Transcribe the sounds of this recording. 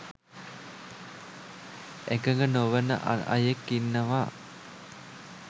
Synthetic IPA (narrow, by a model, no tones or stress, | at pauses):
ekəŋɡənoʋənə̰ʔa̰na̰jekːinːəʋaː